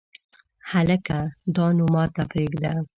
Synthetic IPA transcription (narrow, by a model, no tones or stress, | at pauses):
haləkad̪ɑnomɑt̪apɾeɡd̪a